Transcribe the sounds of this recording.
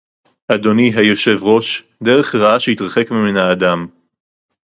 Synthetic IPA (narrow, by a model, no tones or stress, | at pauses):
ʔad̪o̞niɦajo̞ʃe̞vʁo̞ʃ | d̪eʁeχʁaaʃejit̪ʁaχekmiminhaːd̪am